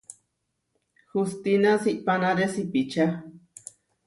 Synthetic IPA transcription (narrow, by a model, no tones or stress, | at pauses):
hust̪inasiʔpanaɾesipit͡ʃa